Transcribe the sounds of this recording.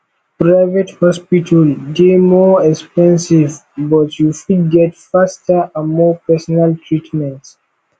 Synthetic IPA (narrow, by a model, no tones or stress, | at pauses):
pɹaɪvɛthɔspitʰaldemɔɛkspɛ̃nsivbɔtʰjufud̚ɡɛtfastʰəãnmɔpɛsɔnaltʰɹitʰmɛ̃nts